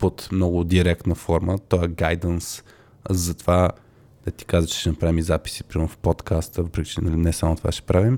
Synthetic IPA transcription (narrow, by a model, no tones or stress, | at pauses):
pot̪mnɔɡʊd̪iɾɛkt̪nəfɔɾmət̪ɔɛɡajd̪əns | zɐt̪ova | d̪̥ɐt̪i̥kazət͡ʃɛ̥ʃɛnɐpɾavimizapi̥sipɾiofpot̪kʰast̪əvəpɾɛkʲi̥t͡ʃɛnɐlinɛsamot̪o̥vaʃɛ̥pɾʔavim